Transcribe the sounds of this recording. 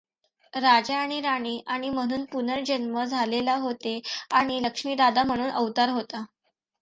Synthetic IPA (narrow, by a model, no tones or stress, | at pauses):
ɾad͡ʑaːɽ̃iɾaɽ̃iːʔaɽ̃im̤əɽ̃uːnpunəɾd͡ʑənməd͡zʱalelaɦot̪eaɽ̃iləkʂmiːd̪ad̪am̤əɽ̃uːnʔəʋt̪əɾɦot̪a